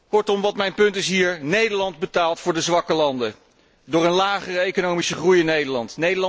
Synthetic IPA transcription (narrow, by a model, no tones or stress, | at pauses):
kɔɹtɔmʋɑtmɛjnpɵntɪsɦiːɹnejdəɹlɑnd̚bətaːlˠtfʊːɹdəzʋɑkəlɑndə | dʊːɹənlaːχərəejkonowmisəχrujɪnːejdəlɑntnejdəl